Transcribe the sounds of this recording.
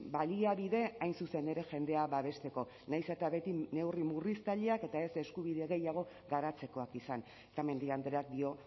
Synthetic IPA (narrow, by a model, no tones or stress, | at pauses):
baliaβiðe̞ajnsuse̞ne̞ɾe̞ʝe̞nd̪e̞aβaβe̞st̪e̞ko̞ | najse̞t̪aβe̞t̪ine̞wrimurist̪aʎeake̞t̪aese̞skuβiðe̞ɣe̞jaɣ̞o̞ | ɣaɾat͡se̞ko̞akisan | et̪ame̞nd̪iand̪ɾeak̚d̪io̞